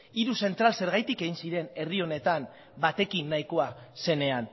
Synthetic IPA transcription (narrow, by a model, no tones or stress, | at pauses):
iɾuse̞nt̪ɾalse̞ɾɣajt̪ike̞ɣinsiɾe̞ne̞rio̞ne̞t̪am | bat̪e̞kinːajko̞ase̞ne̞an